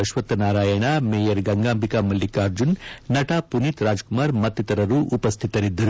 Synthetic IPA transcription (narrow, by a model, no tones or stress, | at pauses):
ɐʃʋɐt̪ːɐnaːɾaːjɐɳameːjɐɾɡɐŋɡaːmbʱikaːmɐlːikaːɾd͡ʒunnɐʈapunit̪ɾaːd͡ʒkumaːɾmɐt̪ːit̪ɐɾɐɾuʔupɐst̪ʰit̪ɐɾid̪ːɐɾu